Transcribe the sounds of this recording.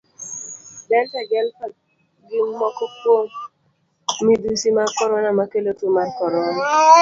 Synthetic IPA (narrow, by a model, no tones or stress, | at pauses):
dɛltaɡɛlpa | ɡiŋːɔkɔpwoŋ | midusimakɔɾɔnamakelotumarkɔɾɔna